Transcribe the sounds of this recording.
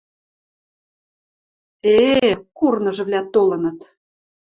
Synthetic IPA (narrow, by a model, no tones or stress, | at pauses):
ekurnɤ̆ʒɤ̆βlʲæt̪olɤ̆nɤ̆t̪